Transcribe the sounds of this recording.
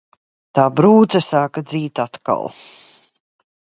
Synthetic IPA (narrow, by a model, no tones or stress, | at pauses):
t̪aːbɾuːt̪zɐsaːkad̪ziːt̪at̪ka̰lˠ